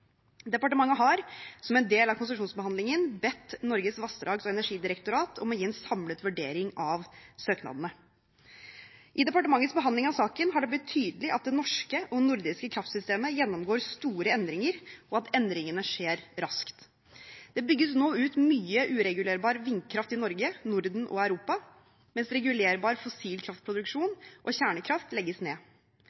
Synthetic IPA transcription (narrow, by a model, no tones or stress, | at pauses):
d̪ɛpɑʈəmɑŋːəɦɑɾsɔmɛnd̪eːlɑʋkʰʊnsəʂuːnsbəhɑnd̪lɪŋənbɛt̪ːnɔɾɡəsʋɑst̪ɾɑːɡsɔɛnæʂiːd̪ɪɾəkt̪ʊɾɑːt̪ʰɔ̰mːɔjiːɛnsɑmlət̪ʋʉɖeːɾɪŋɑʋsøːknɑ̰ːd̪ənə | ʔɪd̪ɛpɑʈəmɑŋːət̪sbəɦɑnd̪ɪŋɑʋsɑːkənɦɑɖɛblɪt̪ʰːyːd̪əlɪʔɑt̪̚d̪ɛnɔʂkəʔɔnʊɾd̪ɪskəkʰɾɑft̪sʏst̪eːməjɛnːɔmɡoːɾst̪uːɾəɛnd̪ɾɪŋəɾʔɔɑt̪ɛnd̪ɾɪŋənəʂeːɾɾɑskt̪ | d̪̥ɛbʏɡːəsnoːʉːt̪myːəʔʉːɾɛɡʉleːɾbɑːɾəʋɪŋkʰɾɑft̪ɪnɔɾɡənʊɾd̪n̩ʔɔ̰æʉɾuːpɑ | mɛnsɾɛɡʉleːɾbɑːɾfɔsiːlkʰɾɑft̪̚pʰɾʊd̪ʉkʂuːnʔɔçæːɳəkʰɾɑft̪lɛɡːəsneː